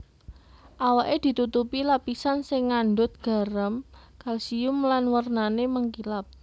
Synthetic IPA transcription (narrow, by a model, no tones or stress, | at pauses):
ʔawaʔed̪̥i̤t̪ut̪upilapisansɪŋːanɖʊt̪̚ɡ̥a̤ɾəmkalsiʊmlanwərnaneməŋkilap̚